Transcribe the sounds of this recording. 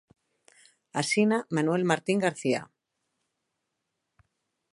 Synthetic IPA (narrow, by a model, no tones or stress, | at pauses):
asinamanwelmaɾt̪iŋɡaɾθia̰